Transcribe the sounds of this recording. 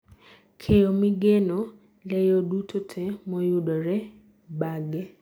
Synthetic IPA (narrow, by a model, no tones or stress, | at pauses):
kʰejɔmɪɡenɔ | lɛjodutʰotʰɛmɔjʊdɔɾɛ | baɡɛ